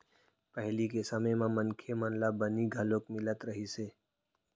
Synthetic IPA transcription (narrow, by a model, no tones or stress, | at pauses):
pəɦlikesəməmãmənkʰemənlabəniɡʱəlokmɪlət̪ɾəɦiseː